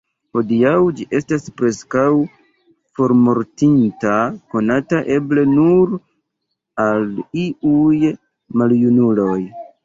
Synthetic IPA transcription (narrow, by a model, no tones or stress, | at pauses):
ho̞diawd͡ʒiʔe̞staspɾe̞skaw | fo̞ɾmo̞ɾtintako̞nataʔe̞ble̞nuɾ | aliuj | maljunulo̞j